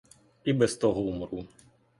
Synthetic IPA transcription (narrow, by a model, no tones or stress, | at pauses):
ibɛst̪ɔɦɔumɾu